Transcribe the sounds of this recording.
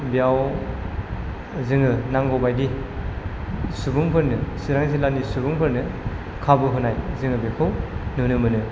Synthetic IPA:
bijaw | zɯŋɯnaŋɡobajdi | subuŋpɯɾnɯsiɾaŋzilanisubuŋpʰɯɾnɯ | kʰabɯɦunajzɯŋɯbekʰɯwnɯnɯmɯnɯ

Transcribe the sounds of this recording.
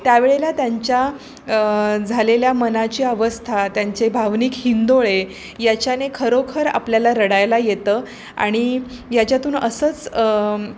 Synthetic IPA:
t̪jaʋeɭelat̪jaɲt͡ɕja | d͡zʱaleljamənat͡ɕiːəʋəst̪ʰat̪jaɲt͡ɕebʱaʋniːkhind̪oɭe | jat͡ɕjanekʰəɾokʰəɾa̰pljalaɾəɽajlajet̪əː | a̰ɽ̃i | jat͡ɕjat̪uːnəsət͡s

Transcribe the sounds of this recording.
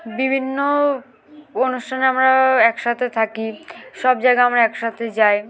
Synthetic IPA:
bibʱinːo | onuʃʈʰaneamɾaɛkʃat̪ʰet̪ʰakiʃɔbd͡ʑaeɡaamɾaɛkʃat̪ʰed͡ʑaj

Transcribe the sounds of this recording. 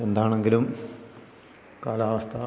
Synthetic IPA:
end̪aːɳe̞ŋɡilum | kaːlaːʋɐst̪ʰɐ

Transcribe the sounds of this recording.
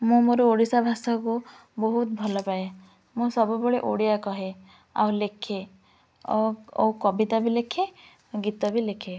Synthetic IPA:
mũmoɾuoɽisabʱasɔku | bɔɦut̪bʱɔlɔpae | mũsɔbubɔɭeʔoɽijakɔɦe | a̰wlekʰe | o̰wkɔbit̪abilekʰe | ɡit̪ɔbilekʰe

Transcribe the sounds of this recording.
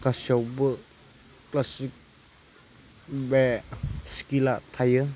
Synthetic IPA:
kasiawbə | klasik̚ | bɛskilatʰajɯ

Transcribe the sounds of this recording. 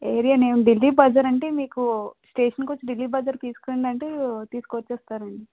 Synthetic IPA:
eːɾijaneːnuɖilːiːbɐd͡ʒɐɾɐɳʈeːmiːkusʈeːʂɐnkot͡ʃːiɖilːiːbɐd͡ʒɐɾt̪iːsu̥kɐːiɳɖɐɳʈeːt̪iːsu̥koːt͡ʃːɛːst̪aːɾɐɳɖi

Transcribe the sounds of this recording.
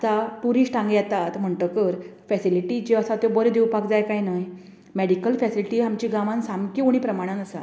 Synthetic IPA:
əsapuɾiːɕʈãŋɡjɛt̪at̪m̤əɳʈəkəɾfɛsiliʈit͡ɕeəsat̪obəɾed̪ewpakd͡zajkajnaj | mɛɽikəlfɛsiliʈiamt͡ɕiɡaʋãnsamkiuɽ̃ipɾəmaɽ̃anəsa̰

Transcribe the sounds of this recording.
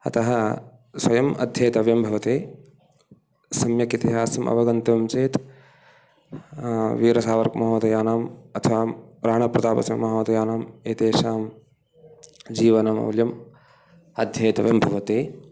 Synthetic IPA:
ɐt̪ɐɦɐ | swɐjɐmɐ̰d̪ʱjeːt̪ɐʋjɐmbʱɐʋɐt̪eː | sɐmjɐkit̪iɦaːsɐmʔɐ̰ʋɐɡɐnt̪ɐmt͡ʃeːt̪ | ʋiːɾɐsaːʋɐɾkmɐɦɐmɐt̪ɐjaːnaːmɐt̪ʰɐʋaːɾaːɳɐpɾɐd̪aːpɐ̰sjɐmmːɐɦɐmɐt̪ɐjaːnaːmeːt̪eːʃaːm | d͡ʒiːʋɐnɐmɐo̰ːljɐm | ɐd̪ʱjeːt̪ɐʋjɐmbʱɐʋɐt̪eː

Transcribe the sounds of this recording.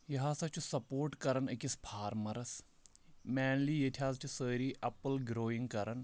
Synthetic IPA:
jɐɦaːsɐt͡ʃʰusɐpoːɾʈkɐɾɐnɐkʲispʰaːɾmɐɾɐs | mɛːnliːjetʰʲaːzt͡ʃʰusəːɾiːʔɐpəlɡɾoːiŋɡkɐɾɐn

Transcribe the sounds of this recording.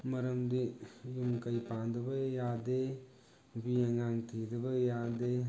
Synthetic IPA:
mɐɾɐmd̪ijumkəjpand̪ɐbɐjaːd̪e | bieŋaːŋt̪ʰid̪əbəjad̪e

